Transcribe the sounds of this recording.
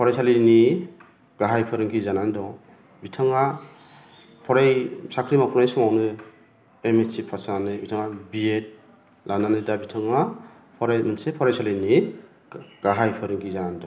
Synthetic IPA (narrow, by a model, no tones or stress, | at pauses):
pʰɔɾajsalini | ɡ̥aɦajpʰɯɾɯŋɡʰizanandɔ | bitʰaŋa | pʰɔɾajsakʰɾimakʰunajsɯŋawnɯ | emesipʰasanɯbitʰaŋabiet̚ | lananɯdabitʰaŋa | pʰɔɾajmɯnsepʰɔɾajsalini | ɡ̥aɦajpʰɯɾɯŋɡʰizanandɔ